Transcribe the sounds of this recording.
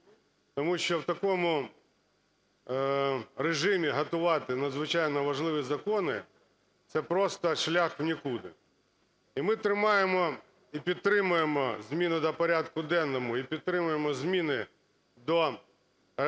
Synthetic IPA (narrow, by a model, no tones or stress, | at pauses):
t̪ɔmuʃʲt͡ʃɔwt̪ɐkɔmʊ | ɾeʒɪmʲiɦɐt̪ʊʋɑt̪ɪnɐd̪zʋɪt͡ʃɑjnɔʋɐʒlˠɪʋʲizɐkɔnɪ | t̪sɛpɾɔst̪ɐʃlʲaxwnʲikud̪ɪ̰ | imɪt̪ɾɪmɑjemɔ | ipʲid̪̚t̪ɾɪmʊjemɔzʲmʲinʊd̪ɐpɐɾʲad̪kʊd̪ɛnːɔmʊipʲid̪̚t̪ɾɪmʊjemɔzʲmʲinɪ | d̪ɔ